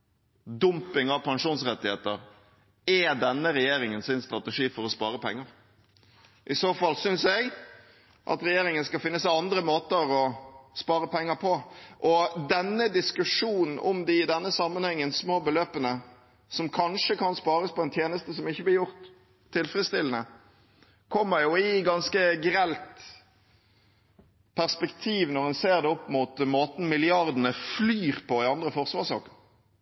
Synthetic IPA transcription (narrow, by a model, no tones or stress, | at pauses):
d̪ʊmpɪŋɑʋpʰɑŋʂuːnsɾɛt̪ːɪheːt̪əɾ | ɛd̪ɛnːəɾɛjeːɾɪŋənsɪnst̪ɾɑt̪ɛʂiːfɔɾɔspɑ̰ːɾəpʰɛ̰ŋːəɾ | ʔɪsoːfɑlːsʏnsɛɡ | ʔɑ̰t̪ɾɛjeːɾɪŋənskɑfɪnːəsæɪɑnd̪ɾəmoːt̪əɾɔspɑːɾəpʰɛŋːəɾpʰɔʔɔd̪ɛnːəd̪ɪskʉʂuːnn̩ʔɔ̰md̪ɪɪd̪ɛnːəsɑmːənhɛŋːənsmoːbəløːpənə | sɔmkʰɑnʂəkʰɑnspɑːɾəspɔɛnt̪ʰjeːnəst̪əsɔmɪçːəblɪɾjʊʁt̪ʰː | ɪlfɾəst̪ɪlənə | kʰɔmːəɾjʊɪɡɑnskəɡɾɛlt̪ | pʰæʁspɛkt̪ʰiːʋnɔʁɛnseːʁd̪ɛɔpːmut̪moːt̪n̩mɪlɪɑʁd̪ənəflyːʁpʰɔɪɑnd̪ʁəfɔʁsʋɑːʁʂsɑ̰ːkə